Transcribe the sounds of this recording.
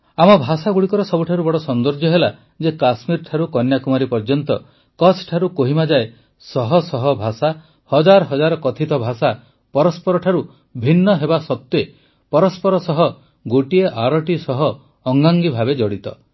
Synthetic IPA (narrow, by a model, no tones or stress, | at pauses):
amɔbʱasaɡuɽikɔɾɔsɔbuʈʰaɾubɔɽɔsɔnd̪ɔɾd͡ʒjɔɦela | d͡ʒekasmiɾʈʰaɾukɔnjakumaɾipɔɾd͡ʒɔnt̪ɔ | kɔsʰʈʰaɾukoɦimad͡ʒae | sɔɦɔsɔɦɔbʱasa | hɔd͡ʒaɾɔɦɔd͡ʒaɾɔkɔt̪ʰit̪ɔbʱasa | pɔɾɔspɔɾɔʈʰaɾu | bʱinːɔɦebasɔt̪ːje | pɔɾɔspɔɾɔsɔɦɔ | ɡoʈieʔaɾɔʈisɔɦɔː | ŋɡaŋɡibʱabed͡ʒɔɽit̪ɔ